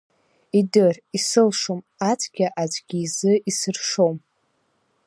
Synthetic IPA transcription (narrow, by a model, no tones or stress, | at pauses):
idɨrisɨlʂom | at͡sʰʼɡʲaʔad͡zʷʼɡʲiːzɨisɨrʂo̞m